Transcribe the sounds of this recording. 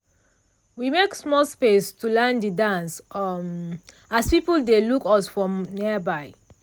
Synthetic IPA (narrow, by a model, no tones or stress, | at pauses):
wimeksmɔlspestulɛndidãnsm | aspipəldelukɔsfɹɔ̃mniəbaɪ